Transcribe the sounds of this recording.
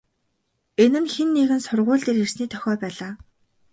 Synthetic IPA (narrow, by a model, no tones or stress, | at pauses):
enɘ̆nxenːiɣɘ̆nsʊrʁʊːɮt̪eːɾir̥sniːt̪ʰœxʲɔːpæːɮaː